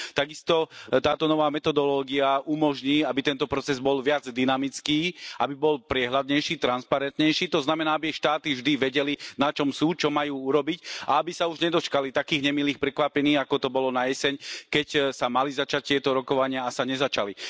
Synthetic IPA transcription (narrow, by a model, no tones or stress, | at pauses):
t̪aɡist̪ɔt̪aːt̪ɔnɔʋaːmɛt̪ɔd̪ɔlɔːɡiaumɔʒɲiːabit̪ɛnt̪ɔpɾɔt͡sɛzbɔlʋɪad͡zd̪inamit͡skiːʔabibɔlpɾɪɛɦlad̪ɲɛjʃiːt̪ɾanspaɾɛnt̪ɲɛjʃiːt̪ɔznamɛnaːabiaʃt̪aːt̪ivʒd̪iʋɛɟɛlinat͡ʃɔmsuːt͡ʃɔmajuːuɾɔbicaabisauʒɲɛd̪ɔt͡ʃkalit̪akiːɣɲɛmiliːxpɾɛkʋapɛniːɣakɔt̪ɔbɔlɔnajɛsɛɲkɛcsamalizat͡ʃac̚t̪ɪɛt̪ɔɾɔkɔʋaɲɪaasaɲɛzat͡ʃali